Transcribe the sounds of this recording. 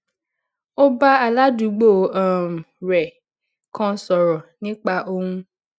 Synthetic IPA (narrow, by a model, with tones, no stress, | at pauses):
o˦ba˦a˨la˦du˨˦ɡ͡bo˦˨a˨m˨ɾɛ˨ | kʰɔ̃˧sɔ˨ɾɔ˨nĩ˦k͡pa˧ʔo˧hũ˦